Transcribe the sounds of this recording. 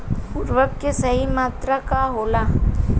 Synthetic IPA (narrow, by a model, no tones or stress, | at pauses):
pʊɾʋəkːesəɦimaːt̪ɾakaɦoːla